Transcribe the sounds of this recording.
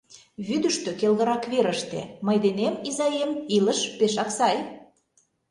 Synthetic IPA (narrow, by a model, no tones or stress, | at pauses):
βyd̪əʃt̪økelɣə̆ɾɑkβeɾə̆ʃt̪ḛməjd̪enemizɑjemiləʃpeʃɑksɑj